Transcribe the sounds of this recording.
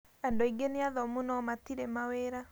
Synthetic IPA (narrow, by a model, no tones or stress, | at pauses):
ɛndoiŋɡeneaðɔmunɔmatiɾemaweɾa